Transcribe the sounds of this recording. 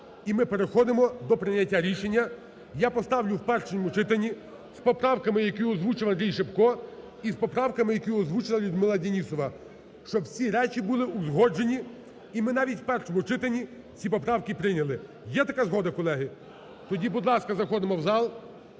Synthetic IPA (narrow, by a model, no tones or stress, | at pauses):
imɪpeɾexɔd̪ɪmɔd̪ɔpɾɪnʲɐtʲːaɾʲiʃenʲːɐ | japɔst̪ɑwlʲʊwpɛrʃenʲɔmʊt͡ʃɪt̪ɐnʲːi | spɔpɾɑwkɐmɪjɐkʲijʊɔzʋut͡ʃɪʋɐnd̪ʲɾʲijʃepkɔ | ispɔpɾɑwkɐmɪjɐkijuɔzʋut͡ʃɪlˠɐlʲʊd̪mɪlˠɐdʲenʲisɔʋɐ | ʃt͡ʃɔbsʲiɾɛt͡ʃibulˠɪʔuzɦɔd͡ʒe̞nʲi | imɪnɑʋʲitʲwpɛrʃɔmʊt͡ʃɪt̪ɐnʲi | t͡sʲipɔpɾɑwkɪpɾɪnʲɐlˠɪ | jɛt̪ɐkazɦɔd̪ɐkɔlˠɛɦɪ | t̪ɔdʲibʊd̪lˠɑskɐzɐxɔd̪ɪmɔwzɑlˠ